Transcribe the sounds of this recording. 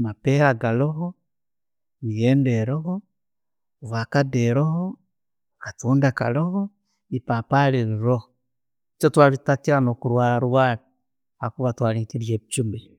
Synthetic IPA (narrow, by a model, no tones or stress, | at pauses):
mapɛɾaɡalɔɦɔ | ijɛndɛɾɔɦɔ | βakadɛɾɔɦɔ | katuːndaka̰lɔhɔ | ipapaliɾiɾohɔ | t͡ʃɔtwaβitat͡ʃiɾanokuɾwaːɾaɾuwaɾi | hakuβatwaliŋkiɾjet͡ʃumbi